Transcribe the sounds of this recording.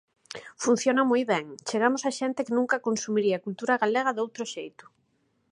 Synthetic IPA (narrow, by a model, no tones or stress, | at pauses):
fun̟θjonamojβɛŋt͡ʃeɣ̞amʊsaʃɛnt̪ɪkɪnũŋkɐkonsumiɾiakult̪uɾaɣaleɣ̞ɐðowt̪ɾʊʃejt̪ʊ̥